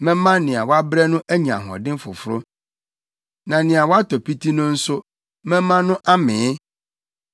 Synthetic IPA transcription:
mɛ̃˦mã˦nɪ̃˨a˨wɔ˦a˦bɾɛ˦nʊ̃˦ʔæ˦ɲi˨ã̰˨ɦɔ̰˨dɪ̃˦fʊ̰˨fʊ˦ɾʊ˦ | nã˨nɪ̃˨a˨wɔ˦a˦tɔ˨pi˦tʰi˦nʊ̃˦n̩˦sʊ˦ | mɛ̃˦mã˦nʊ̃˦ʔa˦mɪ̃˨˦

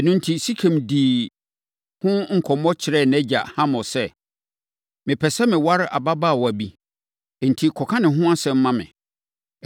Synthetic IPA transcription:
ɛ˨nũ˦n̩˦tʰi˦si˦kʰɛ̃˨mdiː˨ | hʊ̃˦ŋ̩˨kʰɔ˨mɔ˦t͡ɕʰɪ˨ɾɛ˦˨nɛ˦d͡ʑa̰˨hã˦mɔ̃˨sɛ˦ | mɪ̃˨pʰɛ˨sɛ˦mɪ̃˨wa˦ɾa̰˨ba˦baː˦˨wɔ˨æ˨bi˦˨ | n̩˨tʰi˦kʰɔ˨kʰã˦nɪ̃˨ɦʊ̃˦a˦sɛ̃˨m̩˦mã˦mɪ̰̃˨

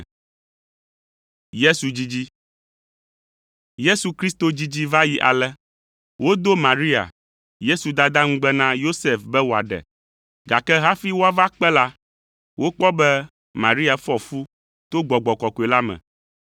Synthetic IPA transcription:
je˦su˨d͡ʑi˦d͡ʑi˦ | je˦su˨kɾi˦st̪o˨d͡ʑi˦d͡ʑi˦va˦ji˨ʔa̰˨lɛ˦ | wo˦d̪o˦mã˨ɾi˦a̰˨ | je˦su˨d̪a˦d̪a˦ŋũ˦ɡ͡bɛ˦nã˦jo˦se˦fbɛ˦wo˨a̰˨ɖɛ̰˨ | ɡa˨kɛ˦ɦa˦fi˦wo˦a˦va˦k͡pɛ˦la˦ | wʔo˦k͡pɔ˦bɛ˦ | mã˨ɾi˦a˨fɔ˨fu˦ | t̪o˦ɡ͡bɔ˨ɡ͡bɔ˨kɔ˨ko˨e˨la˦mɛ̰̃˨

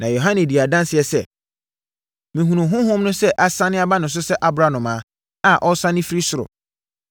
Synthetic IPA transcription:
nã˨jo˨ɦã˦nɛ̃˨di˨a˨dã˦nsɪ˨ɛ˨sɛ˦˨ | mĩ˨ɦũ˨nʊ̃˨ɦʊ̃˦hʊ̃˦mnʊ̃˦sɛ˦ʔa˦sã˦nɪ̃˦a˦ba˦nʊ̃˨ns̬ʊ˦sɛ˦ʔa˦bɾa˦nʊ̃˨mãː˨˦ | a˨ʔɔ˦sã˦nɪ̃˦fɾi˦sʊ˦ɾʊ̰˨

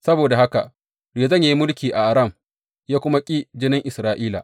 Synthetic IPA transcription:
sɐ˦boː˨da˨ha˦ka˨ʔ | dja˨zɐ˦ɲja˨ji˦mʊ˦lkʲiː˨ʔa˨ʔa˨ɾɐ˦˨m | jaː˦kʷʊ˦ma˦kʲʼi˦d͡ʒɪ˦nɪ˦ŋʔɪ˨sɾaː˦ʔiː˦la̰˨ʔ

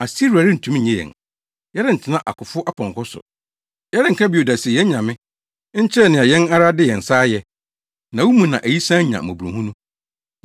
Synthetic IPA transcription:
a˨si˦ɾu˨a˨ɾɪ˦n̩˨tʰũ˦m˦˨ɲɛ̃˦jɛ̰˨n | jɛ˦ɾɪ̃˦n̩˨tʰɪ˨nã˦ʔa̰˨kʰʊ˨fʊ˦ʔa˦pʰɔ̃˨ŋkʰɔ˦sʊ̰˨ | jɛ˦ɾɪ̃˦ŋ̩˨kʰã˦bi˨o˨da˨sɪ˨jɛ˦ɲã˨mɪ̃˦ | ɲ̩˦t͡ɕʰɪ˦ɾɛ˦˨nɪ̃˨a˨jɛ̃˦na˦ɾa˦dɪ˦jɛ˨n̩˨saː˦jɛ˨ | nã˨wu˦mũ˨nã̰˨ʔæ˨ji˦sãː˦ɲã̰˨mʊ̃˨bu˨ũ˨hũ˦nũ˦

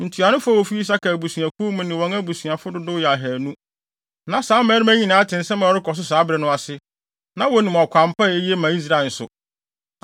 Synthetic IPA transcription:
n̩˨tʰu˨a˨nʊ̃˦fʊ˦a˦wɔ˨fi˦i˦s̬a˦kʰa˨bu˨sɥæ˨kʰu˦mũ˦nɪ̃˨wɔ̃˨ŋæ˦bu˨sũ˨a˨fʊ˦dʊ˦dʊ˦jɛ˨a˨ɦɛ˨nũ˦ | nã˨saː˨˦mɛ̃˦ɾɪ˦mæ̃˦ɲĩ˨nã˨˦tʰɪ̃˨n̩˨˦sɛ̃˦mã˨ɔ˨ɾɪ˦kʰɔ˨s̬ʊ˦saː˨˦bɾɛ˨nʊ̃˦a˨sɪ˦ | nã˦wɔ˨nĩ˨m˨ɔ˨kʷʰã˨m˨pa˦˨e˦ji˦e˦mã˨i˦s̬ɾa˦˨n̩˨sʊ̰˨

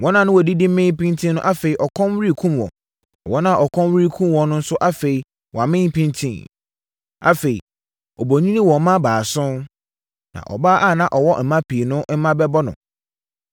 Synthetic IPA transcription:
wɔ̃˦nã˨nʊ̃˦wɔ˨di˦dɪ˦m̩˦mɪ̃˦m˦pĩ˦ntʰĩ˦nʊ̃˦ʔa˦fe˨i˨ʔɔ˨kʰɔ̃˦m˦wɾi˦kʰũ˦mwɔ̰̃˨ | wɔ̃˦nã˦˨ʔɔ˨kʰɔ̃˦nwi˦kʰũ˦mwɔ̃˨nʊ̃˦n̩˦sʊ˦ʔa˦fe˨i˨ | wɔ˨a˨mɪ̃˦m˦pĩ˦ntʰĩ˦˨n | a̰˨fe˨ḭ˨ | ɔ˨bo˨ɲĩ˦nĩ˦wɔ̃˨mã˦baː˨sʊ̃˦n | nã̰˨ʔɔ̰˨baː˦ʔa˦˨nã˨ʔɔ˨wɔ˦m̩˨mã˦pʰi˨nʊ̃˦m̩˦mã˦bɛ˦bɔ˦nʊ̰̃˨

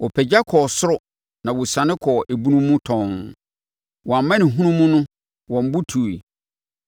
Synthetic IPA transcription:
wɔ˨pʰɛ˨d͡ʑa˦kʰɔ˨sʊ˦ɾʊ˦ | nã˨wʊ˨sã˨nɪ̃˦kʰɔː˨ʔe˨bu˦nũː˦ũ˦tʰɔ̃˨ŋ | wɔ̃˨a˨m˨mːã˦nɪ̃˨ɦũ˦nũ˦mũ˦nʊ̃˦ | wɔ̃˨m˨bʊ˦tʰu˨i˨

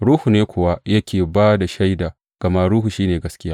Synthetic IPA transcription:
ɽuː˦hu˨neː˦kʷoː˨wa˦jɐ˦kʲeː˨baː˦da˨ʃa˦jda˨ | ɡ̥ɐ˨ma˦ɽuː˦hu˨ʃiː˦neː˨ɡɐ˦skʲɪ˦jaː˦

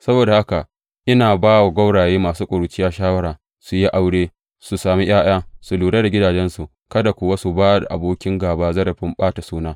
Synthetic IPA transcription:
sɐ˦boː˨da˨ha˦ka˨ | ʔɪ˦naː˨baː˦wa˨ɡʷɐ˦wɽaː˨jeː˦maː˨suː˦kʷʼo˨ɾu˨t͡ʃɪ˦jaː˦ʃaː˦wɐ˦ɽaː˨ | su˨ji˦ʔa˦wɽeː˦ | su˨saː˨mi˦j̰aː˦j̰aː˦su˨luː˨ɽeː˦da˨ɡʲɪ˦daː˨d͡ʒɛ˦nsu˨ | kɐ˦da˨kʷʊ˨wa˦su˨baː˦da˨ʔa̰˨boː˦kʲɪ˦ŋɡaː˨baː˦zɐ˦ɾɐ˨ɸɪ˦mɓaː˦ta˨suː˦naː˦

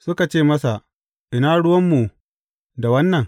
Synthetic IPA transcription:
sʊ˦ka˨t͡ʃeː˦˨mɐ˦sa˨ | ʔɪ˨naː˦ɽʊ˦wɐ˦mːu˨ | da˨wɐ˦nːɐ˨ŋ

